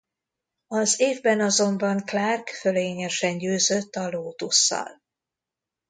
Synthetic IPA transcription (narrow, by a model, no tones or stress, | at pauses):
ɒzeːvbɛnɒzo̞mbɒŋklaːrkføleːɲɛʃɛɲɟøːzøt̪ːɒloːt̪usːɒ̰l